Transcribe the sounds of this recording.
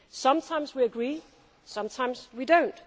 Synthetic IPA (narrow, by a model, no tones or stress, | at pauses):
sʌ̃mtʰãɪ̃mzwiɨɡɹi | sʌ̃mtʰãɪ̃mz̥widõʊ̃nt